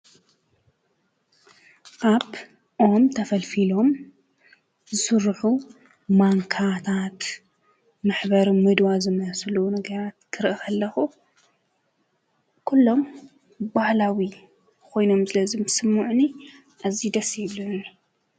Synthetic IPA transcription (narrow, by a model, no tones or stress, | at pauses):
ʔaβ | ʔomt̪ʰɐfɐlfilo̞m | zɨsɨɾħu | maŋkʰat̪ʰat̪ | maħbɐɾmɨd̪wazɨmɐslunɐɡɐɾat̪̚kʰɨɾɨʔɨxɐlːɐxu | kʰulːo̞m | bahlawi | kʰo̞jno̞msɨlɐzɨmsɨmːuʕni | ʔazid̪ɐsiβlun